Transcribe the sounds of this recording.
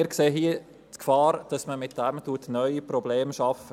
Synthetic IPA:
ɾkseːɦiə | tkfɑːɾd̥ɑsməmɪt̚d̥æmtuətnœʏipɾɔbleːmʃɑf

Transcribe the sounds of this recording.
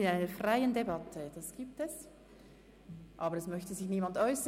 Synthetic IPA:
ɪnaɪnəfʁaɪəndebɑtʰəd̥asɡ̥iːp̚tɛs | ʔɑːbəɾɛsmœçtəzɪçniːmandʔɔʏsə

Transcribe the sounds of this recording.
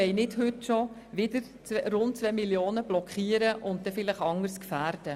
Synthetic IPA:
ɛɪnɪthʏtʃo | ʋɪdəɾ | t͡srʊnt̚t͡sʋɛmiljoːnəb̥lɔkχiːəɾəʔʊnt̚dɛfɪlɪχɑŋəɾskfæːɾd̥ə

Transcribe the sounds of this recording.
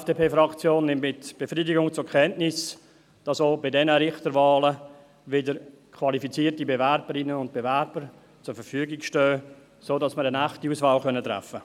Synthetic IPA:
ɛfd̥eːpʰeːfɾɑkt͡sjoːnːɪmtmɪtb̥efɾidɪɡʊŋt͡sʊkʰɛntnɪs | d̥ɑsoːbɪdɛnəɾɪχtəɾvaːlə | vɪdəɾ | kʰvɑlifit͡siːtibevɛrbəɾɪnənʊnt̚b̥evɛɾb̥əɾ | t͡sʊɾfəɾfyəɡɪkʃtøː | soːdɑsməɾənæχtiuːsvaːlxœnətɾɛ̰fə

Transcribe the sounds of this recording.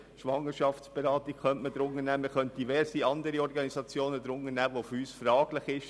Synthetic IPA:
ʃʋɑŋːəʃɑft͡sb̥ɛɾɑːtiɡ̥χœntməd̥̪ɾʊnːənæːməχœnt̚d̥iʋɛɾsiɑnd̪əɾiɔɾɡɑnisɑt͡sjoːnəd̪ɾʊnːənæːʋofyːsfrɑːɡ̥lɪχɪʃ

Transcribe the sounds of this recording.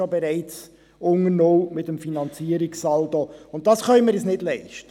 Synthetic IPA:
obɛɾɛɪt͡s | ʊŋənoːmɪtəmfinɑnt͡siəɾiksɑldoʊnt̚d̥ɑsχœʏmɪɾjɛsnɪdlɛɪʃtə

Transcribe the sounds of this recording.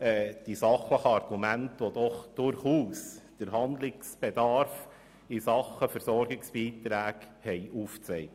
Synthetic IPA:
ɛːd̥isɑχləχəɑɾɡ̥umæntʋod̥̪ɔχd̥ʊɾχuːsd̥əɾɦɑnd̪lɪksb̥ed̪ɑɾf | ɪsɑχəfəɾsɔɾɡɪksb̥iːt̪ɾæːɡ | hɛɪʔuːft͡sɛɪ

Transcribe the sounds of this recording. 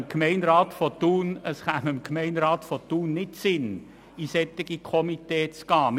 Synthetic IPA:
mkʰmɛɪnɾaːtfɔt̪uːnəsχaməmkʰmɛɪnɾaːt̪fɔt̪uːnːɪtsɪn | isɛt̪ːɪɡikʰɔmit̪ɛːt͡skɑːm

